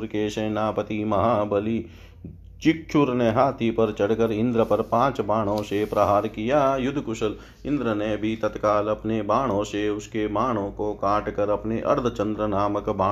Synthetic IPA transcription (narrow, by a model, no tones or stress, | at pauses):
ɾkeʃɐːnaːpət̪imɐɦaːbɐli | t͡ʃɪk̚t͡ʃʰʊɾneɦaːt̪ʰipɐɾt͡ʃɐɽkəɾɪ̃nd̪ɾəpɐɾpãːt͡ʃbaːɽ̤̃õsepɾɐɦaːɾkijaːjʊd̪ʱkʊʃəl | ɪ̃nd̪ɾənebʱit̪ɐt̪kaːlɐpnebaːɽ̤̃õːseʊskebaːɽ̃õːkokaːʈkɐɾɐpneʔɐ̰ɾd̪ʱət͡ʃɐ̃nd̪ɾənaːməkbaː